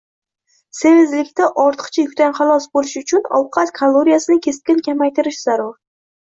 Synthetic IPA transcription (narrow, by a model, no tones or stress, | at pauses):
sevɪzlɪkʲt̪aʔɒɾt̪ʰɨ̥qt͡ʃʰajʊkʲt̪anχɑlˠɒsbolɪʃʊt͡ʃʰʊnɒ̰wqʰɑt̪kʰalˠoɾijasɪnɪkʲʰest̪̚kʲɪnkʲʰamajt̪ɪɾɪʃzaɾʊɾ